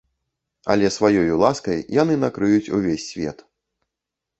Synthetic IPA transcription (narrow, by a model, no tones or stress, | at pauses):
ɐ̰lʲɛsvajɔjulˠaskɐjjan̪ɨnakɾɨjut͡sʲuvʲesʲːvʲɛ̰t̪